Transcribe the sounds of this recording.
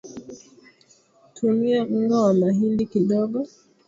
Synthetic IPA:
tʰumiam̩ɡawamaɦindikiɗɔɡɔ

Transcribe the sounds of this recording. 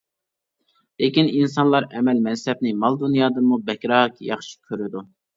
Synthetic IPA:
lekʲininsɑnlˠɑɾɛmɛlmɛnsɛb̚nɪmɑlˠd̪unjɑːd̪ɨmubɛkʲɾɑːkʰjɑχʃi̥kʲʰøɾɪd̪u

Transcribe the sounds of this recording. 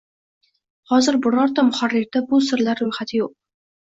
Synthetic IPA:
hɒzɪɾbʊɾɒɾt̪amʊχarːɪɾd̪abʊsɪɾlaɾːʊjχat̪ʰɪjoq̚

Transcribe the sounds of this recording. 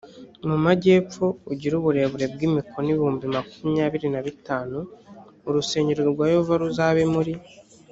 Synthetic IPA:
mumaɟe̞ːp͡fouɟiɾuβuɾe̞ːβuɾe̞b̚ɡimikʰo̞niβihuːmbimakumɲaːβiɾinaβitaːnuː | ɾuse̞ːɲɟeɾɡoɾɡwaːjovaɾuzaːβe̞muɾi

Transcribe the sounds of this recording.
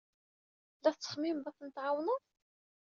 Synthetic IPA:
læθt͡sːə̥χmimbæθnət̪ʕawnʊ

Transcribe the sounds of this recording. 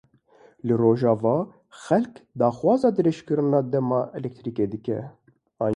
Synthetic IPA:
lɨroːʒɑːvɑː | xɛlkd̪ɑːxwɑːzɑːd̪ɨɾɛʃkɨɾɨnɑːd̪ɛmɑːʔɛlɛk̚t̪ʰɾiːkeːd̪ɨkɛ̰ | ɑː

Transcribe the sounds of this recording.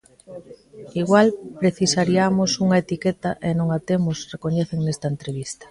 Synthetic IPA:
iɣwalpɾeθisaɾiamosuŋɐet̪iket̪aʔenõŋat̪emosrekoɲeθeŋnest̪aent̪ɾeβist̪ɐ̥

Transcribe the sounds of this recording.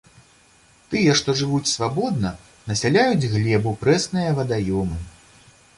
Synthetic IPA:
t̪ɨjɐʂt̪ɔʐɨvut͡sʲsvabɔd̪̚nɐ | nɐsʲalʲajud͡zʲɣlʲɛbupɾɛsnɨjɐvɐd̪ajɔmɨ

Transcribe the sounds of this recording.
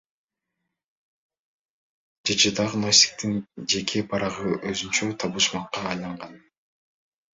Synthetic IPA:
d̪et͡ʃid̪ɑʁnosʲt̪ʲi̥k̚t̪ind͡ʒe̞kʰebʰɑɾɑʁɯʔøzynt͡ʃøt̪ʰɑβuʃmɑqːɑːjlˠɑɴʁɑn

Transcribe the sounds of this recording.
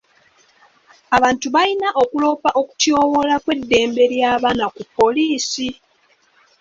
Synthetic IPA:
aβaːntuβajinaʔokulo̞ːpaʔo̞ku̥tjo̞ːwo̞lakwe̞dːe̞ːmbe̞ɾjaːβaːnakupːo̞liːsi

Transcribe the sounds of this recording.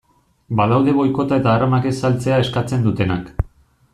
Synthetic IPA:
baðawðe̞βo̞jko̞t̪ae̞t̪aːramake̞salt͡se̞ae̞skat͡se̞nd̪ut̪e̞nak

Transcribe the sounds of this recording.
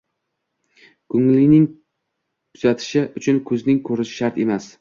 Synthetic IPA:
kʰʊŋlɪnɪŋ | kʰʊz̥at̪ʰɪ̥ʃɪʔʊt͡ʃʰʊnkʰɵznɪŋkʰɵɾɪʃɪ̥ʃaɾt̪emas

